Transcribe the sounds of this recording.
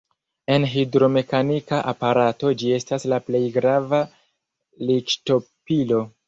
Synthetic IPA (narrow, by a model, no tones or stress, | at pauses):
e̞nɦidɾo̞me̞kanikaʔapaɾato̞d͡ʒie̞staslaple̞jɡɾava | likto̞pilo̞